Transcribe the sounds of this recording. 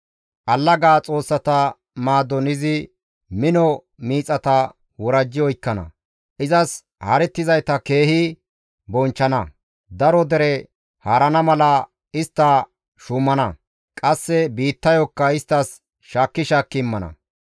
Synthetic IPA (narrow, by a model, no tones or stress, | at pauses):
ʔɐlːɐɡaːt͡sʼo̞ːsːɐt̪ɐ | maːd̪ɔnɪzɪ | mɪnɔ | miːt͡sʼɐt̪ɐ | wɔɾɐd͡ʒːɪɔjkːɐnɐ̰ | ʔɪzɐs | hɐɾɛt̪ːɪzɐjt̪ɐke̞ːhɪ | bɔnt͡ʃːɐnɐ | d̪ɐɾɔd̪ɛɾɛ | haːɾɐnɐmɐlɐ | ɪst̪ːɐ | ʃʊmːɐnɐ | kʼɐsːɛbiːt̪ːɐjɔkːɐɪst̪ːɐs | ʃaːkːɪʃaːkːɪmːɐnɐ̰